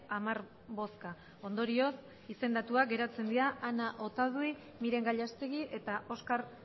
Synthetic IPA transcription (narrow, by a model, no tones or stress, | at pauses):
amaɾ | βo̞ska | o̞nd̪o̞ɾio̞s | ise̞nd̪at̪uaɡe̞ɾat͡se̞nd̪iaʔːnaʔo̞t̪að̞ui | miɾe̞ŋɡaʎast̪eɣiʔe̞t̪aʔo̞skaɾ